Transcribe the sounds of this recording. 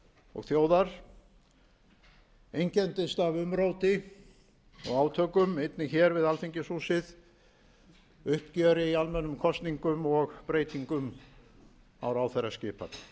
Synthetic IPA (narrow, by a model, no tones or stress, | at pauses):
ɔ̰ɣθjoːwðaɾ̥ | ejɲcɛnt̪ɪst̪avʏmɾoːwt̪ɪ | ɔ̰ɣaːwt̪ʰœːkʏmejt̪nɪçɛɾvɪðalfiɲcɪsuːsɪð | ʏhpcœːɾɪialmɛnːʏmkʰɔst̪niŋkʏmɔɣpɾeːjt̪iŋkʏm | a̰wɾaːwθɛɾːascɪːpa̰t̪